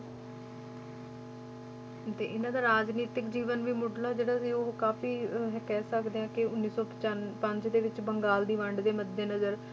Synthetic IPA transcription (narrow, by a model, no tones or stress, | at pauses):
t̪ḛːʔɪnãːd̪aːɾaːd͡ʒniːt̪ɪkd͡ʒiːʋənʋiːmʊɖlaːd͡ʒeːɽaːsiːoːkaːfiːɦkɛːsəkd̪eːãːkɪʊnːiːsɔː | pəɲd͡ʒd̪eːʋɪt͡ʃbəŋɡaːld̪iːʋəɳɖd̪eːməd̪ːeːnəzəɾ